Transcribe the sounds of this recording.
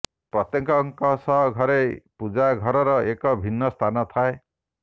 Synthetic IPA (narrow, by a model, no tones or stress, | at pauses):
pɾɔt̪jɔŋkɔŋkɔsɔɦɡʱɔɾepud͡ʒaɡʱɔɾɔɾɔekɔbʱinːɔst̪ʰanɔt̪ʰae